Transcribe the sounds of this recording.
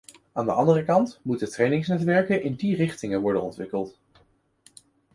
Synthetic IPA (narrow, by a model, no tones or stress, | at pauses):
aːndə̰ʔɑndərəkɑntmutətrejnɪŋsnɛtʋɛɹkənʔɪndirɪχtɪŋənʋɔɹdənɔ̰ntʋɪkəlˠt